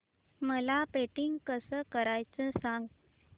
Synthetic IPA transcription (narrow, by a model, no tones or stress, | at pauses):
məlapeʈiŋɡkəsəkəɾajt͡səsãŋɡ